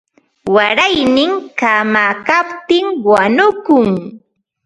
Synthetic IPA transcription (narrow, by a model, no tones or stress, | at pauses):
waɾajnɪŋkamaːkapt̪ɪŋwanʊkʊŋ